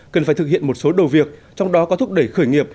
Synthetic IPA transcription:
kə˨˩nfaː˧˩jt̪ɨ˩k̚hḭ˧˨ənmo˨˩t̚so˨˦ɗə˨˩wvi˨˩ək̚t͡ɕɔ˧wŋ͡mɗɔ˨˦kɔ˨˦t̪ʰʊ˦˥k͡p̚ɗə˧˩jxəː˧˩jŋi˨˩əp̚

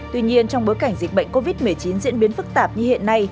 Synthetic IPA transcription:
t̪wi˧ɲi˧ənt͡ɕɔ˧ŋ͡mɓo˨˦jka˧˩ŋ̟zi˨˩k̟̚ɓə̰˧˨jŋ̟ko˧vi˦˥t̚mɨ˨˩əjt͡ɕi˨˦nzḭ˧˥ənɓi˨˦ənfɨ˦˥k̚t̪aː˨˩p̚ɲɨ˧hḭ˧˨ənːa˧j

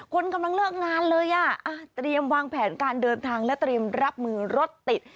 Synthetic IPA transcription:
kʰo˧nka˧mla˧ŋlɯː˥˩k̚ŋaː˧nlɤː˧jʔa˨˩ʔa˧˩t̪ɾi˧əmwaː˧ŋpʰɛː˩˦nkaː˧ndɤː˧nt̪ʰaː˧ŋlɛ˦˥wt̪ɾi˧əmɾa˦˥p̚mɯː˧ɾo˦˥t̪ːi˨˩t̪̚

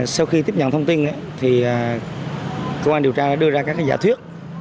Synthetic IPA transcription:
sa˧wxi˧t̪i˦˥p̚ɲə˧˨nt̪ʰə˧wŋ͡mt̪i˧nʔa̰˧˦t̪ʰi˨˩aː˨˩ | kə˧waː˧nɗi˨˩əwt͡ɕaː˧ɗa̰ː˧˥ɗɨ˧əzaː˧kaː˦˥k̚aː˧˨˩za̰ː˧˩t̪ʰwi˦˥ət̚

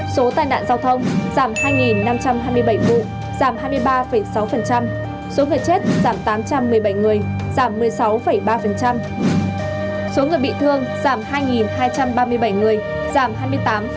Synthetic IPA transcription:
so˨˦t̪aː˧jna̰ː˧˨nzaː˧wt̪ʰə˧wŋ͡mz̥aː˧˩mhaː˧jŋi˨˩nːa˧mt͡ɕa˧mhaː˧jmɨ˧əjɓə˧˩jvṵ˧˨ | z̥aː˧˩mɦaː˧jmɨ˧əjɓaː˧fə˧˩jsa˨˦wfə˨˩nt͡ɕa˧m | so˨˦ŋɨ˨˩əjt͡ɕe˦˥t̚z̥aː˧˩mt̪aː˨˦mt͡ɕa˧mːɨ˨˩əjɓə˧˩jŋɨ˨˩əjz̥aː˧˩mːɨ˨˩əjsa˨˦wfə˧˩jɓaː˧fə˨˩nt͡ɕa˧m | so˨˦ŋɨ˨˩əjɓḭ˧˨t̪ʰɨ˧əŋz̥aː˧˩mhaː˧jŋi˨˩nhaː˧jt͡ɕa˧mɓaː˧mɨ˧əjɓə˧˩jŋɨ˨˩əj | zaː˧˩mɦaː˧jmɨ˧əjt̪aː˨˦m

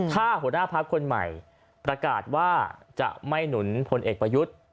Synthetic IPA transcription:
t̪ʰaː˥˩hu˩˦naː˥˩pʰaː˦˥p̚kʰo˧nma̰˨˩j | pɾa˧kaː˨˩t̪̚waː˥˩t͡ɕa̰˨˩ʔma˥˩jnu˩˦npʰo˧nʔeː˨˩k̚pɾa˧ju˦˥t̪̚

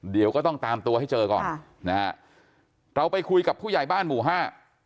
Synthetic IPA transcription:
di˨˩˦əwkɔː˥˩t̪ɔ˥˩ŋt̪aː˧mt̪u˧ɐha˥˩jt͡ɕɤː˧kɔ̰ː˨˩n | na˦˥ | ɾa˧wpa˧jkʰu˧jka˨˩pʰːu˥˩ja˨˩jbaː˥˩nmuː˨˩˦ɦaː˥˩

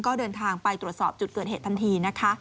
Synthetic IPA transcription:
kɔː˥˩dɤː˧nt̪ʰaː˧ŋpa˧jt̪ɾu˨˩ət̪̚sɔː˨˩p̚t͡ɕu˨˩t̪̚kɤː˨˩t̪̚eː˨˩t̪ʰːa˧nt̪ʰiː˧na˦˥kʰa˦˥

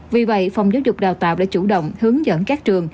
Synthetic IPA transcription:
vi˨˩və̰˧˨jfa˨˩wŋ͡mzaː˨˦wzʊ˨˩k͡p̚ɗaː˨˩wt̪a̰ː˧˨wʔɗa̰ː˧˥t͡ɕu˧˩ɗə̰˧˨wŋ͡mhɨ˨˦əŋzə̰ː˧˥˩nkaː˦˥k̚t͡ɕɨ˨˩əŋ

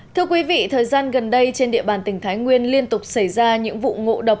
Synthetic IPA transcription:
t̪ʰɨ˧əkwi˨˦vḭ˧˨t̪ʰəː˨˩jzaː˧nɣə˨˩nɗə˧jt͡ɕe˧nɗḭ˧əɓaː˨˩nt̪ï˧˩ŋ̟t̪ʰaː˨˦jŋwi˧ənli˧ənt̪ʊ˨˩k͡p̚sə˧˩jzaː˧ɲɨ̰˧˥ŋvṵ˧˨ŋo̰˧˨ɗə˨˩wk͡p̚

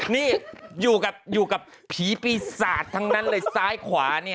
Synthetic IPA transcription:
niː˥˩juː˨˩ka˨˩p̚juː˨˩ka˨˩p̚ | pʰiː˩˦piː˧saː˨˩t̪ʰːa˧˥ŋna˦˥nlɤː˧jsaː˦˥˩jkʰwaː˩˦ni˥˩ɐ

